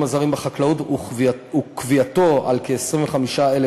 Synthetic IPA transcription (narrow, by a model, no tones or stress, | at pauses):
mazaʁimbeχaklautuukviat̪o̞a̰lkeːsʁimveχamiʃaele